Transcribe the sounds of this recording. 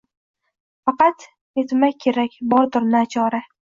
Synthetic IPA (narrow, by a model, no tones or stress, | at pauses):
fɑqɑt̪ | et̪majʲkʲʰe̞ɾakʲbɒɾd̪ʊɾnɪat͡ʃʰɒɾa